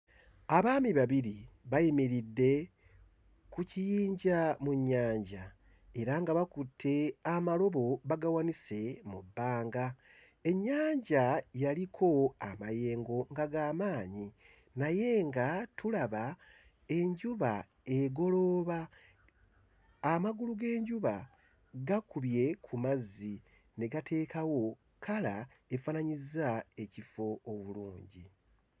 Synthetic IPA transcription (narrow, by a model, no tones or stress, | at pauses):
aβaːmiβaβiɾiβajimiɾidːe̞ | kucijiːɲɟamuɲːaːɲɟa | e̞ɾaŋɡaβakutʰːe̞amalo̞βo̞βaɡawanise̞mubːaːŋɡa | e̞ɲːaːɲɟajalikʰo̞a̰maje̞ːŋɡo̞ŋɡaɡaːmaːɲi | naje̞ŋɡatʰulaβa | e̞ɲɟuβa | e̞ɡo̞lo̞ːβa | maɡuluɡe̞ːɲɟuβa | ɡakuβje̞kʰumazːi | ne̞ɡatʰe̞ːkawo̞ | kʰala | e̞faːnaɲizae̞cifo̞ːβuluːɲɟḭ